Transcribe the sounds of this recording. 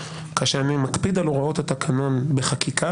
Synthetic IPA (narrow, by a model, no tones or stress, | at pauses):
kaʃeanimakpid̪aloʁao̞that̪akʰano̞nbeχakikʰa